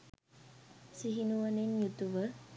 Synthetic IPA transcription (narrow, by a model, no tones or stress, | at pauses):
siɦinuʋanenjut̪uʋə